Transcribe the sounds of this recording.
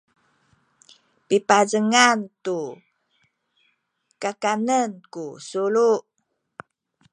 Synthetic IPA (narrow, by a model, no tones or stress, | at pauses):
pipazəŋant̪u | kakanənkusuluʔ